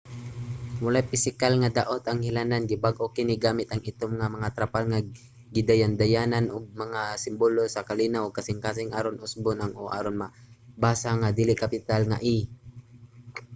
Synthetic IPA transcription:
mʊlajpɪsɪkalŋad̪aʔot̪aŋhɪlananɡɪbaɡʔokɪnɪɡaːmɪt̪ʔaŋɪt̪omŋamaŋat̪ɾapalŋa | ɡɪd̪ajand̪ajananʔʊɡ̚maŋasɪmbolosakalinawkasɪŋkaːs̬ɪŋʔaːɾonʔʊsbʊnaŋoʔa̰ːɾonmabaːsaŋad̪ilɪkapɪt̪alŋa̰ʔi

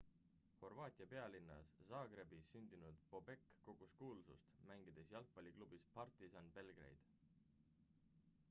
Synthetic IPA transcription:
ho̞rvɑːt̪ʲˑiɑpe̞ɑlinːɑ̰sːɑːɡ̥re̞bisːynʲd̪inud̪̥po̞be̞kːo̞ɡ̥uskuːlusṵst̪mæŋɡid̪̥esjɑlk̚pɑlʲiklub̥ispɑrt̪ˑisɑnb̥e̞lɡ̥re̞̰jd̪̥

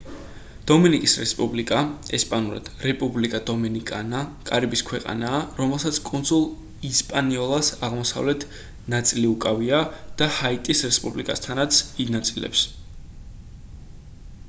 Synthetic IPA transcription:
d̪̥ɔminikʼisɾɛspʼublikʼaɛspʼanuɾa̰d̪̥ɾɛpʼublikʼad̪ɔminikʼa̰nakʼa̰ɾibiskʰwɛqʼa̰naːɾɔmɛlˠsat̪sʰkʼunzulˠ | ispʼaniɔlˠasaʁmɔsa̰vlɛt̪ʰ | nat̪sʼiliukʼaviad̪̥ahait̪ʼisɾɛspʼublikʼast̪ʰanat̪sʰinat̪sʼilɛ̰ps

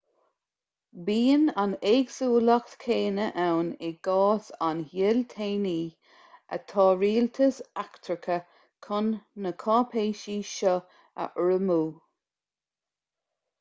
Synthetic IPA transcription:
biːənaneːɡsuːlakt̪kʰeːnəʔawnɪɡ̥ɑːsanhɪlt̪ʰeːniː | ə̰t̪ʰɑːɹiːlt̪ʰəsakt̪ʰɾəkʰə | kʰʊnːəkʰɑːpʰeːʃiːʃɔ | ə̰ʔəɹəmuː

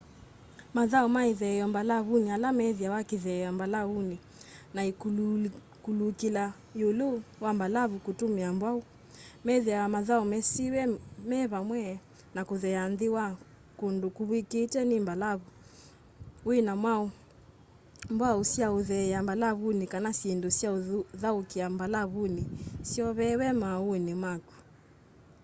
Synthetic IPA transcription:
maðaɔmaiðɛjɔmbalaβunialamɛðiawakiðɛɔmbalauni | nai | kulukila | juluwambalavukutumiambwau | mɛðiawamaðaumɛsiwɛmɛβamwɛ | nakuðɛanðiwa | kundukuβwikitɛnimbalaβu | uinamwau | mbwausiauðɛambalaβunikanasindusiauðaukiambalaβunisiɔβɛwɛmaunimwakḁ

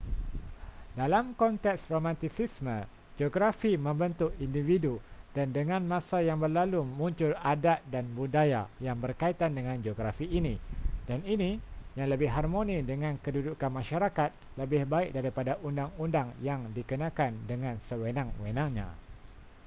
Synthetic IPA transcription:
dalamkɔnt̪ɛksromãnt̪isismə̃ | d͡ʒoɡɾafimə̃mbənt̪ʊʔindividudandəŋãnmãsajaŋbərlalumũɲt͡ʃʊladat̪̚danbudajajaŋbərkait̪andəŋãnd͡ʒoɡɾafiːnĩdaninijaŋləbɪhɦarmõnĩdəŋãnkədudukanmãʃaɾakat̪̚ləbɪhbaɪk̚daɾipadaʔundaŋundaŋjaŋdikənãkandəŋãnsəwənãŋwənãŋɲã̰

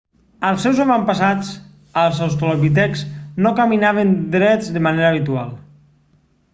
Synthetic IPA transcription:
əlˠsɛwzaβampasat͡s | əlˠsawst̪oloβit̪ɛkznokaminaβend̪ɾɛd͡zðemaneɾaβ̞it̪ua̰lˠ

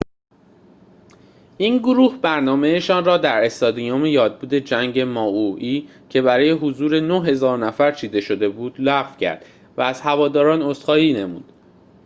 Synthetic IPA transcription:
ʔinɡoɾuːhbæɾnɒːme̞eʃɒːnrɒːd̪æɾe̞st̪ɒːd̪iomejɒːd̪̚buːd̪e̞d͡ʒæŋɟe̞mɒːuiː | cʰe̞βæɾɒːje̞ɦozuːɾe̞noɦe̞zɒːɾnæfæɾt͡ʃʰiːd̪e̞ʃo̞d̪e̞buːd̪̥læfcʰæ̰ɾd̪̥ | væːz̥hævɒːd̪ɒːɾɒːnost̪χɒːiːne̞mṵːd̪̥

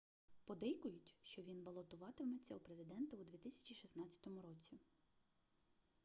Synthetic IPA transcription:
pɔd̪ɛjkʊjʊtʲʃt͡ʃɔʋʲinbɐlˠɔt̪ʊʋɑt̪ɪmet͡sʲːɐupɾezɪd̪ɛnt̪ɐud̪ʲʋʲit̪ɪsʲɐ̥t͡ʃʲiʃisnɑt͡sʲɐ̥t̪ɔmʊɾɔt͡sʲi

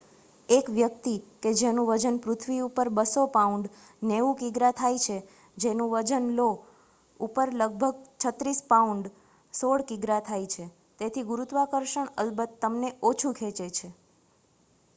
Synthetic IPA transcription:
ekʋjək̚t̪iked͡ʒenũʋəd͡ʒənpɾʊt̪ʰʋiupəɾbəsopauɳɖ | neʋũkiɡɾat̪ʰajt͡ʃʰe | d͡ʒenũʋəd͡ʒənlo | upəɾləɡ̚bʱəɡ̚t͡ʃʰət̪ɾispauɳɖ | soɽkiɡɾat̪ʰajt͡ʃʰe | t̪et̪ʰiɡuɾut̪ʋakəɾʃəɳə̰lbət̪ːəmneot͡ʃʰukʰet͡ʃet͡ʃʰe

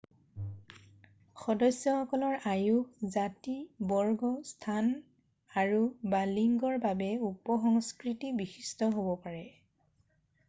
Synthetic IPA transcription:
xɔdɔsjɔxɔkɔlɔɹajukzatibɔɹɡɔstʰan | aɹubaliŋɡɔɹbabɛupɔxɔŋskɹitibixi̥stɔɦobɔpaɹɛ

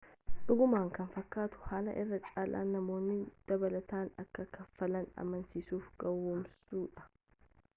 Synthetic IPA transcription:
ᶑʊɡʊmaːŋkɐnfɐkːaːt̪ʊ̥haːlɐ̰ʔɪrːɐt͡ʃʼaːlʔa̰ːnːɐmo̞ːnːɪd̪̥ɐbɐlɐt̪aːnɐ̰kːɐkɐfːɐlɐnɐ̰mɐnsiːsuːfɡɐwːoːmsuːᶑɐ̥

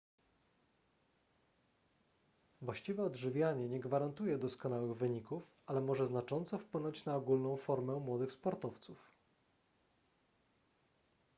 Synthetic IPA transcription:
vwaɕt͡ɕivɛɔd̪ʐɘvʲjaɲɛɲɛɡvaɾant̪ujɛd̪ɔskɔn̪awɘɣvɘɲikuf | alɛmɔʐɛznat͡ʂɔnt̪sɔfpwɘnɔɲt͡ɕnaɔɡulnɔ̃w̃fɔɾmɛmwɔd̪ɘxspɔɾt̪ɔft̪suf

